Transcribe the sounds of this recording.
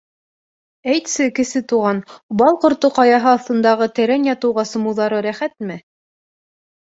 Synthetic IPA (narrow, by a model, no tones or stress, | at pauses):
æjt̪sɘkɘ̆sɘt̪uʁɑnbɑlˠqŏɾt̪oqɑjɑɦɤɑθt̪ɤ̆nd̪ɑʁɤt̪ɘ̆ɾænjɑt̪ɤ̆wʁɑsɤ̆mɤ̆wðɑɾɤɾæχæt̪mɘ